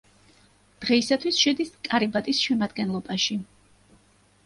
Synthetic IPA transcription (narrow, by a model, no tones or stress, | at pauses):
d̪̥ʁɛisat̪ʰwisʃɛd̪iskʼaɾibat̪ʼisʃɛmad̪ɡɛnlˠɔbaʃi